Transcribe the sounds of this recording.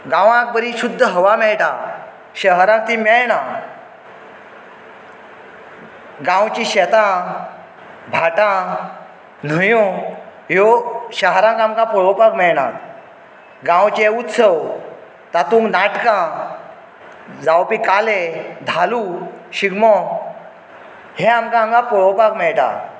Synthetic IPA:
ɡãʋãk̚bəɾiɕud̪ʱːəɦəʋamɛɭʈa | ɕəɦɾãk̚t̪ĩmɛɭɳã | ɡãwt͡ɕĩɕɛt̪ã | bʱaʈã | n̤əjũjoɕaɦɾãŋkamkãpɔɭopakmɛɭɽa̰ | ɡãwt͡ɕeut̪səw | t̪at̪ũːŋknaʈkã | d͡zawpikaled̪ʱaluɕiɡmɔ | heamkãmkãpɔɭɔpakmɛɭʈã̰

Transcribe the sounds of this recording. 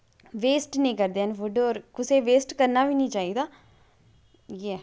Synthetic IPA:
ʋeːsʈnĩːkəɾd̪eːənʋʊɖoːɾkʊseːʋeːsʈkəɾnaːʋiːnĩːt͡ʃaːiːd̪aː | jɛː

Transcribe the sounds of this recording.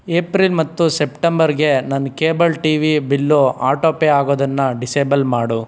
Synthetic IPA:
eːpɾiːlmɐt̪ːusepʈembɐɾɡe̞nɐnːkeːbɐlʈiːʋibilːoʔaːʈoːpeaːɡoːd̪ɐnːɐɖiseːbɐlmaːɽu

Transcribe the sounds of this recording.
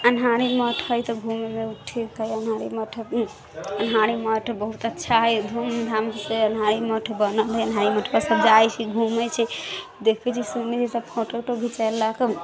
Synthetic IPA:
ənɦaɾiməʈʰɦəjt̪ɔɡʱumemeʈʰikɦəjənɦaɾiməʈʰ | ənɦaɾiməʈʰbəɦut̪ətːʃʰaɦəjd̪ʱumd̪ʱamseənɦaɾiməʈʰbənəlɦəjənɦaɾiməʈʰbasəbd͡ʒajt͡ʃʰiɡʱumɛt͡ʃʰɛd̪ekʰbɛt͡ʃʰisumid͡ʒisəbpʰoʈəkʈoɡʱit͡ʃəjlːake

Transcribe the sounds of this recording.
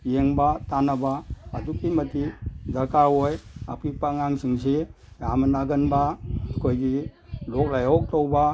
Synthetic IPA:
jeŋbatanabaːdukimətizakʰawoja̰pipaŋaŋsiŋs̬e | jamanaɡənbakʰojɡi | lɔk̚lajɔk̚towba

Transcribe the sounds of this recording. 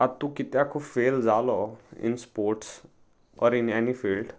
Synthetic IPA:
ɐt̪ukɪt̪jakofeːld͡ʒaːloɪ̰̃nspoːɾʈs | ɔːɾɪnɛnifiːlɖ

